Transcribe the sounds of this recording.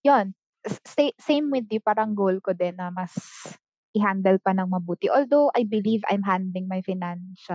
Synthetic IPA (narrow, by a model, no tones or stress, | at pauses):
jon | sesejmwɪd̪jupaːɾɐɐŋɡowlkod̪ɛnːɐmɐs | ʔɪɦand̪ɛlpɐnɐŋmɐbuːt̪ɪʔoːld̪owʔajbɪliva̰jmɦand̪lɪŋmɐjfɪnanʃɐ